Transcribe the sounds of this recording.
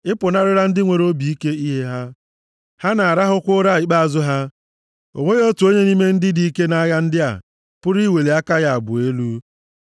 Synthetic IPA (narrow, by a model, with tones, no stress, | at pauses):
ɪ˦pʊ˨na˦ɾɪ˦ɾa˦n̩˦dɪ˦ŋʷe˨ɾo˦bi˨i˦ke˦i˦ɦe˦ɦa˦ | ha˦na˨a˨ɾa˦ɦʊ˦kʷʊ˦ɾa˦˨ɪ˨k͡pa˦a˨zʊ˦ɦa˦ | o̰˨ŋʷe˦ɣo˦tu˨o˦ɲe˦ni˦me˦n̩˦dɪ˦di˦i˦ke˦na˦ɣa˦n̩˦dɪ˦a̰˨ | pʊ˦ɾi˦we˨le˨a˦ka˦ɣa˨a˨bʊ̰˨e˦lu˦